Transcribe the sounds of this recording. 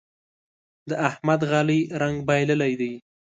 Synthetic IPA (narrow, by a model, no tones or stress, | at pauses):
d̪əʔahmad̪ɣɑliɾaŋɡbɑjləlajd̪aj